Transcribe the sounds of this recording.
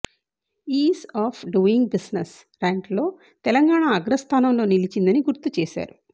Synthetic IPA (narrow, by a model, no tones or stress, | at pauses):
iːsaːpʰɖuiŋɡbisnes | ɾaːŋʈlo̞ː | t̪ɛlɐŋɡaːɳaːɡɾɐst̪ʰaːnɐmlo̞ːnilit͡ʃind̪ɐniɡuɾt̪ut͡ʃeːʃa̰ːɾu